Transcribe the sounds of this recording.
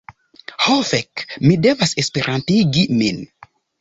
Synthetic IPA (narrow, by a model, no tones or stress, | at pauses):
hafɛkmidɛvasespeɾãntiɡimin